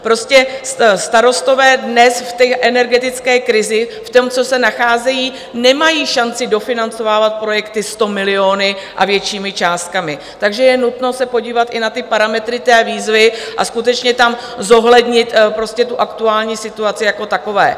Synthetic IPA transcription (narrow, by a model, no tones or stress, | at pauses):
pɾo̞scɛsst̪aɾo̞st̪o̞vɛːdnɛsft̪ɛʔɛnɛɾɡɛt̪ɪt͡skɛːkɾɪzɪft̪omt͡so̞sɛnaxaːzɛjiː | nɛmajiːʃant͡sɪdo̞fɪnant͡so̞vaːvat̪̚pɾo̞jɛkt̪ɪst̪o̞mɪlɪo̞ːnɪʔa̰vjɛt͡ʃiːmɪt͡ʃaːst̪̚kamɪ | t̪aɡʒɛjɛnut̪no̞sɛpo̞ɟiːvat̪ʔɪnat̪ɪpaɾamɛt̪ɾɪt̪ɛːviːzvɪʔa̰skut̪ɛt͡ʃɲɛt̪amzo̞ɦlɛdɲɪt̪pɾo̞scɛt̪uʔakt̪uaːlɲiːsɪt̪uat͡sɪjako̞t̪ako̞vɛ̰ː